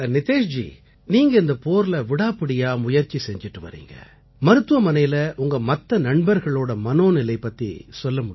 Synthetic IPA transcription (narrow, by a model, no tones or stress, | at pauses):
ɐnɪt̪eːʂd͡ʒḭ | niːŋɡɐɪnd̪ɐpoːɾlɐʋɪɽaːpɪɽɪjaːmʊjɐɾt͡ʃːisɛɲd͡ʒɪʈːɯʋɐ̰ɾḭːŋɡɐ̰ | mɐɾɯt̪ːɯʋɐmɐnɐɪjɪlɐʔʊŋɡɐmɐt̪ːɐnɐɳbɐɾɣɐɭoːɽɐmɐnoːnɪlɐɪpːɐt̪ːḭsɔlːɐmʊɽɪ